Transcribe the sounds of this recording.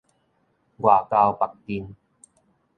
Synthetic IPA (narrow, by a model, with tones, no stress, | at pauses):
ɡwaː˨˩ka˧wpa˨k̚t̪i˧n